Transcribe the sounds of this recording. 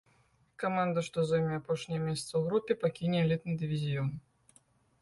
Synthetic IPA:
kamand̪ɐʂt̪ɔzɔjmʲiapɔʂnʲɪjɐmʲesʲɐt̪səwɣɾupʲːɪpakʲinʲɪɛlʲit̪nɨd̪ʲivʲizʲiɔn

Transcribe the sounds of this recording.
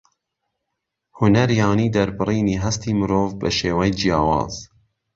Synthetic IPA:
hʊnɐɾjɑːniːd̪ɐɾbɨriːniːɦɐst̪iːmɨɾoːvbɐ̰ʃeːwɛjd͡ʒijɑːwɑ̰ːz̥

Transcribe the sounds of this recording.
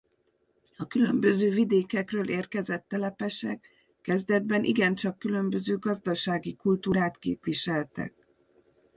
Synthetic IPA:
ɒkylømbøzøːvid̪eːkɛkrøːlʔeːrkɛzɛt̪ːɛlɛpɛʃɛkː | ɛzd̪ɛd̪bɛnʔḭɡɛnt͡ʃɒkːylø̞mbø̞zøːɡɒzd̪ɒʃaːɡikult̪uːɾaːt̪kḛːpʋiʃɛlt̪ɛ̰k̚

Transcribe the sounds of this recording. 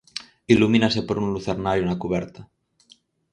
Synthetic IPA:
ilumĩnasepoɾunluθeɾnaɾjonakuβ̞ɛɾt̪a

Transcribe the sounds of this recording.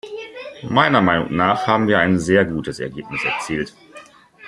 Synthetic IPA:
maɪnɐmaɪnʊ̰ŋnaːχhaːbm̩viːɐaɪnzeːɐɡuːtʰəsɛ̰ɐɡeːpnɪsɛɐt͡siːlt

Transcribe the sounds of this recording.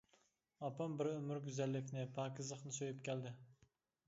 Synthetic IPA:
ɑpɑmbɪɾømyɾɡʲyzɛlːɪkʲnɪpʰɑːkʲɪzəχnɨsøjypkʲʰɛld̪ɪ

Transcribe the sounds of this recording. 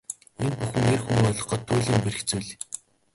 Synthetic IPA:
enpuxɘ̆ŋerxuŋɔɮɞ̆χɢɔ̆t̪ʰːʊːɮiːmperɘ̆xt͡suːɮ

